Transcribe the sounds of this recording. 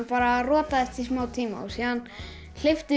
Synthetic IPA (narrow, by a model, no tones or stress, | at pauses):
paːɾarɔːt̪aðɛst̪ʰismaːwt̪ʰiːma̰usiðan | l̥eft̪ɪ